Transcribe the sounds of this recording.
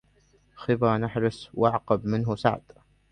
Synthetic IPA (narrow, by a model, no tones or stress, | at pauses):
xɪbaːnaħɾˤɪswʔaʕqɑbmɪnɦʊsa̰ʕd̪